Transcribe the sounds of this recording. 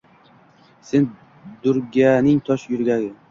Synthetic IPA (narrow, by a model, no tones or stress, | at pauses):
sen | d̪ʊɾɡʲanɪŋt̪ʰɒʃjʊɾɡʲaɡʲɪ